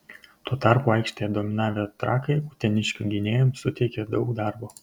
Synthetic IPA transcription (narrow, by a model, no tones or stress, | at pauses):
t̪uːt̪ɑˑɾpuːɐˑɪkʃʲt̪ʲejɛd̪oːmʲɪnɑːʋʲet̪ɾɑːkɐɪut̪ʲɛnʲɪʃʲkʲuɡʲɪnʲeːjʊmsʊt̪ʲɛɪkʲɛd̪ɒʊkd̪ɑˑɾboː